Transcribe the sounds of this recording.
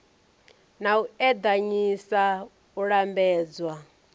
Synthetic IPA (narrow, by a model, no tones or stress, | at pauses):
nauɛd̪aɲisa | uɺambɛːd͡zwa